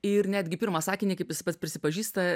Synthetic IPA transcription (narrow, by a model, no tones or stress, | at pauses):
ɪrnʲæːd̪ʲɡʲɪpʲɪɾmɑːsɑːkʲɪnʲiːkɐɪpʋʲɪspɐt̪spʲɾʲɪsʲɪpɐʒʲiːst̪ɐ